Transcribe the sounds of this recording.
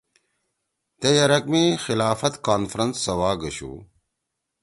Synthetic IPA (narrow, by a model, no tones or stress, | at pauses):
t̪ejɐɾɐkmixilaːfɐt̪kaːnfɾɐnsːɐwaːɡɐɕṵː